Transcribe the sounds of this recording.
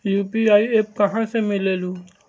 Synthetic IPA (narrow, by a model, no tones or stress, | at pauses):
juːpiaːieːp̚kɐɦãsemɪleːlu